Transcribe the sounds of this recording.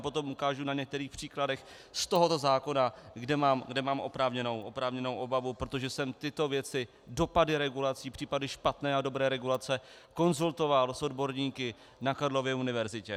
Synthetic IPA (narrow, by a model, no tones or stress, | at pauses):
po̞t̪o̞mukaːʒunaɲɛk̚t̪ɛɾiːxpr̝̥iːkladɛx | st̪o̞ɦo̞t̪o̞zaːko̞naɡdɛmaːmɡdɛmaːmʔo̞̰pɾaːvɲɛno̞wʔo̞pɾaːvɲɛno̞wʔo̞bavupɾot̪o̞ʒɛsɛmt̪ɪt̪o̞vjɛt͡sɪ | do̞padɪɾɛɡulat͡siːpr̝̥iːpadɪʃpat̪nɛːado̞bɾɛːɾɛɡulat͡sɛ | ko̞nzult̪o̞valso̞dbo̞ɾɲiːkɪ | nakaɾlo̞vjɛunɪvɛɾzɪcɛ